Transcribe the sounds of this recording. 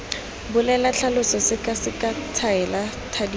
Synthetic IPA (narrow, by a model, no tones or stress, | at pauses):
bʊlɛlaɬalʊsɔsɪkʼasɪkʼat͡sʰaɛlatʰadi